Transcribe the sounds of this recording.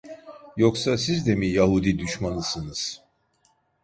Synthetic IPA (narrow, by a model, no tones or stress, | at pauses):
joksasizd̪ɛmijaɦud̪id̪yʃmanɯsɯnɯz̥